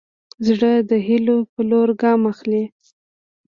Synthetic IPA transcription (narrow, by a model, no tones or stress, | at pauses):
zɽəd̪əɦɪlopəloɾɡɑmaxli